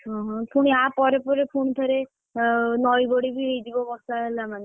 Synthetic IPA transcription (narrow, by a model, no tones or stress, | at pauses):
ɦɔ̃ɦɔ̃pʰuɽ̃iapɔɾepɔɾepʰuɳt̪ʰəɾe | nɔjbɔɽibʱiɦejd͡ʒibɔbɔstaɦelamane